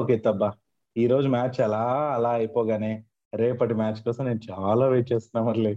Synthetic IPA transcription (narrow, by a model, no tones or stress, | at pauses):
okeːt̪ɐbːa | iːɾo̞ːd͡ʒumaːt͡ʃɛlaːɐlaːɐjpɔːɡaːneː | ɾeːpɐʈimaːt͡ʃkɔːsɐ̃mne̞ːnut͡ʃaːlaːʋeːt͡ʃeːst̪unːaːmɐɾli